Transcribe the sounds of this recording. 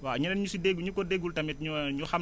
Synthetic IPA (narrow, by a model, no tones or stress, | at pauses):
waɲunɛnɲusideɡuɲukɔdeɡultɐmit̚ɲuɲuxɐm